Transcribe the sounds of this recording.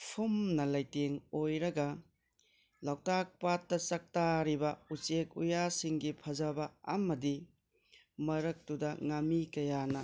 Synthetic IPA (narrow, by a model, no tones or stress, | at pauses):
pʰumnɐlajteŋojɾɐɡɐ | lawtak̚patːɐt͡ʃɐk̚taɾibɐut͡ʃek̚ujasiŋɡipʰɐzɐbɐːmɐdi | mɐɾɐk̚tudɐŋamikɐjanɐ